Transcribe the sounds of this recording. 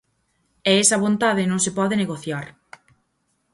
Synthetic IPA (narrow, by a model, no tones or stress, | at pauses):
ɛesɐβont̪aðɪnõŋsepɔðeneɣoθjaɾ